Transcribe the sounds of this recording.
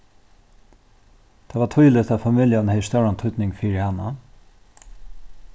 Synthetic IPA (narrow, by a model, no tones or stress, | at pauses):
t̪ʰaːvat̪ʰujlɪt̪ʰafamiljanhɛɪst̪awɾant̪ʰʊt̪nɪŋfiːɾɪhanːa